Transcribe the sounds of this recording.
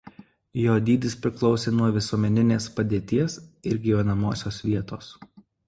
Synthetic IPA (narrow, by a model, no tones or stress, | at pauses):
joːd̪ʲiːd̪ʲɪspʲɾʲɪklˠɒʊsʲeːnuɔʋʲɪsuɔmʲɛnʲɪnʲeːspɐd̪ʲeːt̪ʲiɛsɪɾʲɡʲiːʋʲɛnɐmoːsʲoːsʋʲiɛt̪oːs